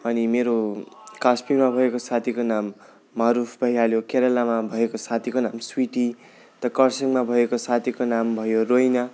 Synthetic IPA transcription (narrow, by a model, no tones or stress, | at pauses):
ʌnimeɾokaspimabʱʌekosat̪ʰikonamː | ʌɾupʰbʱʌɦjaljokeɾʌlamabʱʌekosat̪ʰikonamswiʈi | t̪ʌkʌrsʌŋmabʱʌekosat̪ʰikonambʱʌjorojna